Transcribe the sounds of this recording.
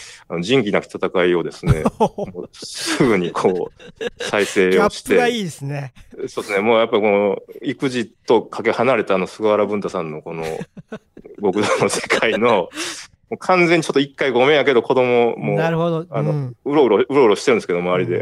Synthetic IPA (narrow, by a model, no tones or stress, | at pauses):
ano̞d͡ʑĩŋk̬ʲiinaki̥t̪t̪at̪akaio̞d̪e̞sɨne̞moːsɨɡɯ̟ɲ̟ikʰo̞ːsaise̞ːoɕi̥t̪e̞aiːdesneso̞ːd̪esne̞moːjapːaikoikɯ̟ʑit̪o̞kʰake̞hanaɾe̞t̪aːno̞sɨɡaaɾabɯ̟̃nt̪asãnːo̞ko̞no̞̰ | ɡo̞kɯ̟d̪ono̞se̞̥kʰaino̞ | moːkʰãnd͡zeɲ̟ːit͡ɕo̞t̪ːoikːaiɡome̞jak̬e̞d̪o̞ko̞d̪o̞mo̞moːaɾhod̪ano̞ɯ̟ɾoɯɾoɯ̟ɾo̞ɯ̟ɾoɕi̥t̪eɾɯ̃nsɨkeomaaɾʲid̪e̞̰